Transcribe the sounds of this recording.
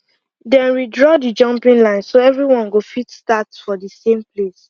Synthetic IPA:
dɛ̃nɹidɹɔdid͡ʒʌ̃mpĩŋlãɪ̃nsoɛvɹiwɔ̃nɡofitstatfɔdisẽmples

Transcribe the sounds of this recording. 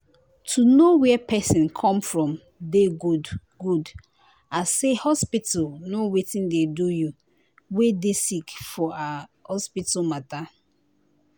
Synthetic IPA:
tʰunowɛpʰɛsĩnkʰɔ̃mfɹɔ̃m | deɡud | ɡud | asehɔspitalnowetĩndeduju | wedesikfɔahɔspitalmata

